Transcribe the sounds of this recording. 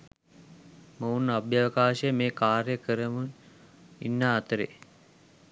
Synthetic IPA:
mounːabjaʋəkaːʃəjəmeːkaːɾjəkəɾəmun | ḭnːaːt̪əɾḛ

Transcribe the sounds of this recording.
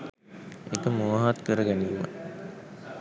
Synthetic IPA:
ekəmoʋaɦat̪kəɾəɡæniuʋa̰

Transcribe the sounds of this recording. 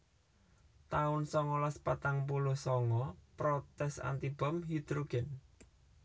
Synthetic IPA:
t̪aʊnsɔŋɔlaspat̪aŋpulʊhsɔŋɔpɾɔt̪ɛsa̰nt̪ib̥ɔ̤mɦid̪̥ɾuɡ̥ɛn

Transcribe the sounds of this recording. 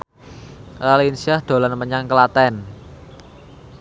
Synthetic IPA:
ralinsiahd̪̥o̤lanməɲaŋkəlat̪ɛn

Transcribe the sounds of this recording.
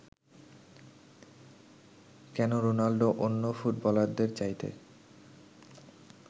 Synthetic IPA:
kɛnoɾonalɖoʔonːofuʈbɔlaɾd̪eɾt͡ɕajt̪ḛ

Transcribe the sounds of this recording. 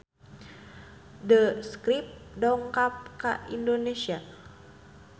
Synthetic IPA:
dəskɾip̚dɔŋkap̚ka̰indonesia

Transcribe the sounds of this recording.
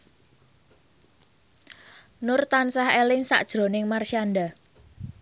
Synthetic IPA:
nʊrt̪ansahelɪŋsa̰ʔd̥ʒ̥ɾo̤nɪŋmarʃianɖa

